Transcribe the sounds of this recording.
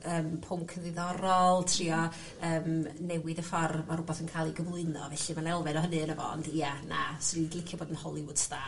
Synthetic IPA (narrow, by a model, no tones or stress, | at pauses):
əːmpʰʊmkʰənðɨðɔɾɔlˠtʰriːɔ | əːmnɛwɪðəfɔrmaɾʊbaθənkʰaːlˠiɡəvlˠʊɨnɔ̰vɛɬɨmanɛlˠvɨnɔɦənɨənəvɔ̰ɔ̰ndiana̰sidlˠɪkʰjɔboːdənhɔlˠɪwʊdsða